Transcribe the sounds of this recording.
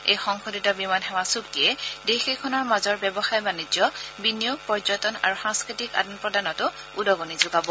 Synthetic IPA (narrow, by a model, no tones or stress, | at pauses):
ejxɔŋxoditɔbimanɦɛwasuk̚tiɛdexekʰɔnɔɹmazɔɹbɛbɔxajbanizɔbinijopɔɹzɔtɔna̰ɹuxaŋskɹitika̰dɔnpɹɔdanɔtʊ | udɔɡonizoɡabɔ